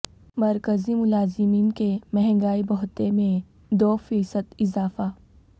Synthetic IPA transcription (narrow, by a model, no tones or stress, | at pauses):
mɐɾkəzimʊlaːzɪmiːnkemɛɦɛ̃ŋɡaːibɔɦt̪emẽ | d̪oːfiːsəd̪ɪzaːfa